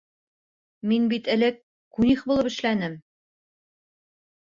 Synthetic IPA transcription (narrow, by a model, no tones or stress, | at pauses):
minbit̪ɘ̆lɘkː | uniχbulˠɤpɘ̆ʃlænɘm